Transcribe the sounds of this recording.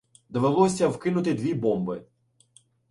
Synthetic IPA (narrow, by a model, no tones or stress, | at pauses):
d̪ɔʋelˠɔsʲɐwkɪnʊt̪ɪd̪ʋʲibɔmbɪ